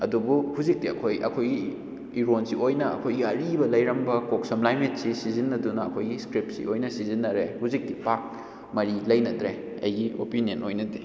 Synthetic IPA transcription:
ɐdubuhuzik̚tiɐ̰kʰojʔɐ̰kʰojɡi | iɾonsiojnɐɐ̰kʰojɡiɐɾibɐlɐjɾɐmbɐkok̚sɐmlajmit̚sisizinːɐdunɐɐkʰojɡiskɾip̚sḭojnɐsizinːɐɾehuzik̚dipak̚ | mɐɾilɐjnɐdɾe | ɐjɡio̰pinienojnɐdi

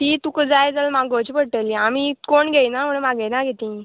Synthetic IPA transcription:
t̪iːt̪ukəd͡zajd͡zalmaɡət͡ɕipəɽʈəliamikoɳɡejnaməɳmaɡejnaɡʱet̪ĩ

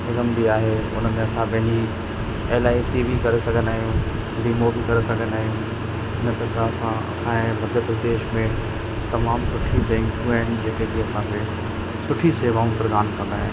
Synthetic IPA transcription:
ɪɡəmbiaːɦeʊ̰nəmẽɐsãpɐ̃ɦɪ̃ɲd͡ʑi | eːlaːisiːʋikɐɾesɐɡʱə̃naːɦijũ | bimobikɐɾesɐɡʱə̃n̆aːɦijũ | ɪnpɐt̪ɐsãɐ̰sãẽmɐd̪ʱjəpɾɐd̪eːʃmẽ | t̪ɐmaːmsʊʈʰibɛ̃ːŋkũɦaːɪn̆d͡ʑeːkekiɐsãkʰe | sʊʈʰiseːʋaːũpɾɐɡaːnkʰɐ̃ɡaːɦɪ̃

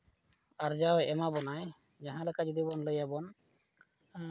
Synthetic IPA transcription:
aɾd͡ʒawɛmabɔnaj | d͡ʒaɦãlekad͡ʒɔd̪ibɔnləjabɔn

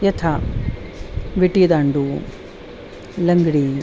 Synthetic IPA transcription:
jɐt̪ʰa | ʋiʈid̪aːɳɖu | lɐŋɡɽi

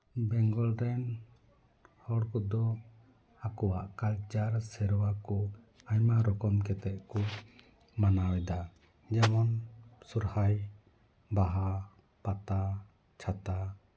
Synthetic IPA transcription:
bɛŋɡɔlɾɛn | hɔɽkɔd̪ɔ | akɔwaʔkalt͡ʃaɾsɛɾɔwakɔ | aɲmaɾɔkɔmkɛt̪ɛt̪̚kɔ | manawɛd̪a | d͡ʒɛmɔnsuɾhaj | baɦa | pat̪a | t͡ʃʰat̪a

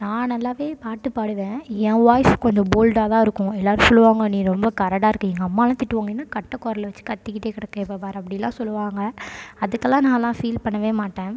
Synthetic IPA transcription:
nãːnɐlːaːʋeːpaːʈːɯpaːɽɯʋẽːɛ̃ːʋaːjfkɔɲd͡ʒɐ̃boːlɖaːt̪ãːɪɾɯkːʊ̃ɛlːaːɾɯ̃sɔlːɯʋaːŋɡɐnĩːɾɔmbɐkɐɾɐɽaːɪɾɯkːɯ̃ɛŋɡɐːmːaːlãːt̪ɪʈːɯʋaːŋɡɐenːaːkɐʈːɐkːɔːɾɐlʋɐt͡ʃːɯ̥kɐt̪ːɪkːɪʈːeːkɪɽɛkːɛ̃ɪpːɐʋaːɾɐp̬ːɐɽɪjɐlːã̰ːsɔlːɯʋaːŋɡɐɐðɯkːɛlːãːnãːlːãːfiːlpɐɳːɐʋeːmaːʈːẽː

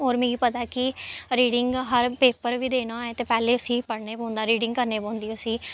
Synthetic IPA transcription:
oːɾmɛ̃ːɡiːpət̪aːkɪɾiːɽɪŋɡɦəɾpeːpəɾʋiːd̪eːñãːeːt̪eːpɛːleːʊsĩːpəɽneːpõːnd̪aːɾiːɖɪ̃ŋɡkəɾneːbõːnd̪iːʊsiː

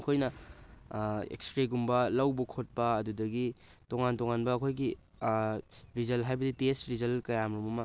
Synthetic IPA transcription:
kʰojnɐ | ḛkstɾeɡumbɐlɐwbɐkʰot̚pɐːdudɐɡitoŋantoŋanbɐːkʰojɡi | ɾizɐlɦajbɐditestɾizɐlkɐjamɾumɐmɐ

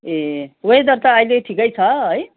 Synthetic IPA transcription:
eoɦed̪ʌrt̪ʌːjleʈʰikʌjt͡sʰʌɦəj

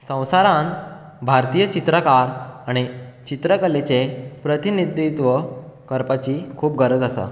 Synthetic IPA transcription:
sə̃w̃saɾãn | bʱaɾt̪ijət͡ɕit̪ɾəkaɾaɽ̃it͡ɕit̪ɾəkəlet͡ɕepɾət̪inid̪it̪ʋəkəɾpat͡ɕiːkʰuːp̚ɡʱəɾəd͡z̪asa̰

